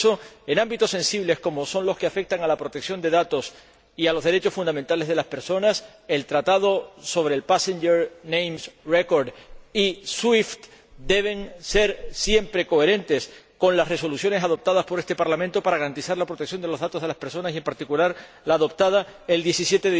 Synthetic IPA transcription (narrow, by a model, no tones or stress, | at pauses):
so̞e̞nãmbit̪o̞se̞nsiβle̞sko̞mo̞so̞nlo̞ske̞afe̞k̚t̪aŋalapɾo̞t̪eksjo̞nd̪e̞ðat̪o̞s | ialo̞zðe̞ɾe̞t͡ʃo̞sfund̪amẽnt̪ale̞zðe̞laspe̞ɾso̞nas | e̞lt̪ɾat̪að̞o̞so̞βɾe̞ːlpasẽnd͡ʒeɾnẽjmsreko̞ɾdiswift̪ | d̪e̞β̞e̞ŋse̞ɾsje̞mpɾe̞ko̞eɾẽ̞nt̪e̞sko̞nlasre̞so̞lusjo̞nesað̞o̞p̚t̪að̞aspo̞ɾest̪e̞paɾlamẽnt̪o̞paɾaɣaɾant̪isaɾlapɾo̞t̪ek̚sjo̞nd̪e̞lo̞zðat̪o̞zðelaspe̞ɾso̞nasiempaɾt̪ikulaɾ | laːðo̞p̚t̪að̞ae̞ld̪je̞sisjet̪eð